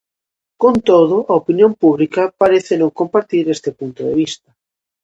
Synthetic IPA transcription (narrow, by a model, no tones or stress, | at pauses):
kont̪oð̞ʊʔaopinjompuβlikapaɾeθenõŋkompaɾt̪iɾest̪epunt̪oðḛβ̞ist̪ɐ